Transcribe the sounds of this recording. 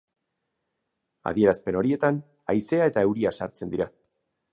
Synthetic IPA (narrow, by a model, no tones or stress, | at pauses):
a̰ðie̞ɾaspe̞no̞ɾie̞t̪an | a̰jse̞ae̞t̪ae̞wɾiasa̰ɾt͡se̞nd̪iɾa